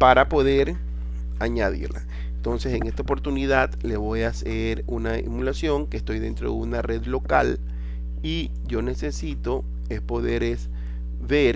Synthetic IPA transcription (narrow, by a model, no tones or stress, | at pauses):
paɾapo̞ðe̞ɾ | aɲaðḭɾla̰ | ent̪o̞nse̞se̞ŋe̞st̪aopo̞ɾt̪uniðaðle̞βo̞jaseɾunaḭmulasjo̞ŋkest̪o̞jðe̞nt̪ɾo̞̰ðeunare̞ðlo̞ka̰l | i | ʝo̞ne̞sesit̪o̞ | espo̞ðeɾes | βeɾ